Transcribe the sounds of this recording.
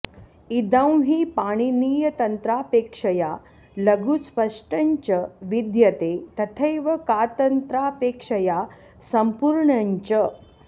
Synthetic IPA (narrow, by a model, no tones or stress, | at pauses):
id̪ə̃w̃ɦiːpaɽ̃iniːjɐt̪ɐnt̪ɾaːpekʂɐja | lɐɡuspəʂʈɐɲt͡ɕəʋid̪jɐt̪et̪ɐt̪ʰəjʋɐkat̪ɐnt̪ɾapekʂɐja | sɐmpuɾɳɐɲt͡ɕə